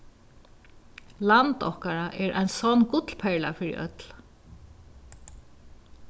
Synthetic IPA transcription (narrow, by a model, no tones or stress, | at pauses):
lant̪ɔhkaɾaʔɛɹʔa̰jnsɔnːkʊt̪lpʰɛɹla̰fɪɾḭʔœ̰t̪l